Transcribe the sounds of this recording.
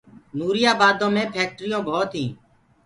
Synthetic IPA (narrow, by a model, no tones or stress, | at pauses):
nuːɾɪjaːbaːd̪õːmẽːpʰɛːk̚ʈɾɪjõːbʱoːt̪ɦĩː